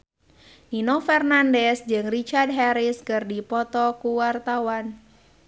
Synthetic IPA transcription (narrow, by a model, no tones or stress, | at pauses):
ninɔfɛrnandɛsd͡ʒɨŋrit͡ʃard̚ɦɛɾiskɨrdipɔt̪ɔkuwart̪awan